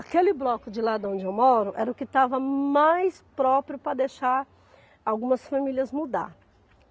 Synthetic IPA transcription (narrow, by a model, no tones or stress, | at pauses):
akelɪblɔkʊd͡ʒɪlad̪ɐõd͡ʒɪewmɔɾʊʔɛ̰ɾɐʊkɪt̪avɐmajspɾɔpɾjʊpɾɐd̪ejʃaɾ | awɡũmɐsfamilʲjɐzmud̪a̰ɾ